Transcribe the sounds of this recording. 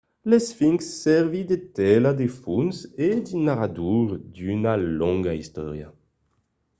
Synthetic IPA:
lesfiŋsːɛʁvid̪et̪ɛlad̪efunsed̪inaʁad̪uʁd̪ynalɔŋɡaist̪ɔ̰ʁja̰

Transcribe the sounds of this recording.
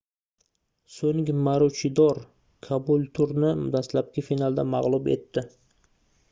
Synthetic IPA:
sɵŋɡʲɪmaɾut͡ʃʰɪd̪ɒɾ | kʰabulˠt̪ʰʊɾnɪd̪aslap̚kʲɪfinalˠd̪amaʁlˠʊbe̞̰t̪ːɪ

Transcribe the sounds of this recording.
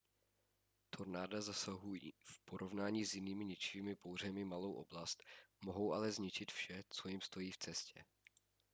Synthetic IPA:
t̪ʰo̞ɾnaːdazasaɦujḭfpo̞ɾo̞vnaːɲiːzjɪniːmɪɲɪt͡ʃɪviːmɪpowr̝ɛmɪmalo̞wʔo̞̰blast̪mo̞ɦo̞wʔalɛzɲɪt͡ʃɪt̪fʃɛt͡so̞jɪmst̪o̞jiːft͡sɛscɛ̰

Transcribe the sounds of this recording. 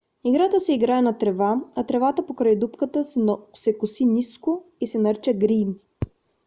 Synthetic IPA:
iɡɾat̪əsɛiɡɾaɛnɐt̪ɾɛvaɐt̪ɾɛvat̪əpokɾajd̪upkət̪əsɛkʊsiniskoisɛnəɾt͡ʃəɡɾin

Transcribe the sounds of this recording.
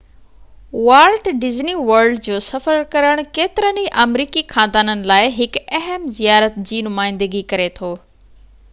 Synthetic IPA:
ʋaːlʈɖɪzniʋɐɾlɖd͡ʑoːsɐfəɾkɐɾəɽ̃keːt̪ɪɾəniʔɐmɾiːkixãːnd̪aːnənɪ̆laːɪɦɪkɛɦəmzijaːɾət̪d͡ʑiːnʊmaːɪ̃nd̪əɡikɐɾet̪ʰoː

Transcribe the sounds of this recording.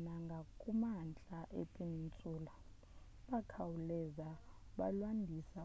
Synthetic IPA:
naŋɡʱakʼumant͡ɬʼaʔḛpʼenint͡sʼuːla | ɓakʰawulɛzaɓa̰lwandʱisa

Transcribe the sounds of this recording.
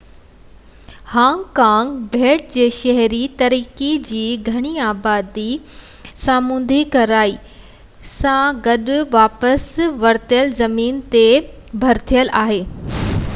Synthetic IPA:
hãːŋkãːŋɡbʱeːʈ̚d͡ʑeːʃɐɦɾit̪ɐɾiːkid͡ʑiːɡʱɐɽ̃iaːbaːd̪i | saːmũːn̆d̪ʱikɐɾaːi | sãɡɐɗʊʋaːpəsʋɐɾt̪ijəlzɐmiːnt̪e | bʱɐɾt̪ʰijəlaːɦeː

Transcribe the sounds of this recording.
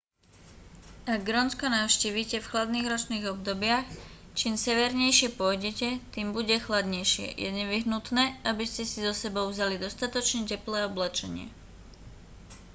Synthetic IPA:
aɡ̚ːɾɔnskɔnaʊʃciːʋiːcɛfxlad̪niːɣɾɔt͡ʃniːɣɔbd̪ɔbɪax | t͡ʃimsɛʋɛɾɲɛjʃɪɛpʊɔjɟɛcɛt̪iːmbuɟɛxlad̪ɲɛjʃɪɛ̰jʔɛ̰ɲɛʋiɦnut̪nɛːabiscɛsizɔsɛbɔʊvzalid̪ɔst̪at̪ɔt͡ʃɲɛcɛplɛːɔblɛt͡ʃɛɲɪɛ̰

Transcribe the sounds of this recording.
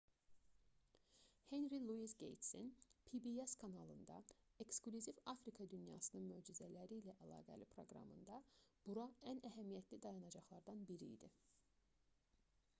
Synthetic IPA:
he̞nɾilˠuisɡḛjt̪senpʰibieskʰɑnɑlˠɯnd̪ɑ̰e̞ksklʲyzivɑfɾikʰɑd̪ynjɑ̰ːsɯnɯnmøːd͡ʒizælæɾiːlæʔælˠɑ̰ːɡæ̰lipʰɾo̞̰ɡɾɑ̰mɯ̰nd̪ɑb̥uɾɑænæɦæmijæt̪ʰlid̪ɑjɑnɑd͡ʒɑχlˠɑɾd̪ɑnbiɾḭːd̪ḭ

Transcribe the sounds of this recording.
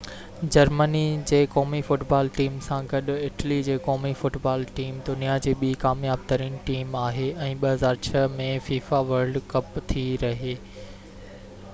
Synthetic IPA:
d͡ʑɐɾmənid͡ʑeːkɔːmifʊʈbaːlʈiːmsãɡɐɗʊ̆ɪʈlid͡ʑeːkɔːmifʊʈbaːlʈiːmd̪ʊnijad͡ʑeːɓiːkaːmjaːb̚t̪ɐɾiːnʈiːmaːɦeʔɛ̃ːɓɐɦɐzaːɾt͡ɕʰɐmẽfiːfaʋɐɾɖkɐpt̪ʰiɾɐɦeː

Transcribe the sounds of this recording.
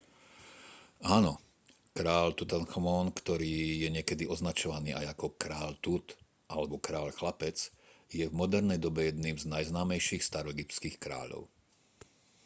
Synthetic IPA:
aːnɔ | kɾaːʎt̪ut̪ɛnxmɔnkt̪ɔɾiːjɛɲɪɛkɛd̪iɔznat͡ʃɔʋaniːʔajakɔkɾaːʎt̪ut̪ | ʔalɛbɔkɾaːʎxlapɛt͡s | jɛvmɔd̪ɛɾnɛjd̪ɔbɛjɛd̪niːmznajznaːmɛjʃiːxst̪aɾɔɛɡip̪skiːxkɾa̰ːʎɔ̰ʊ

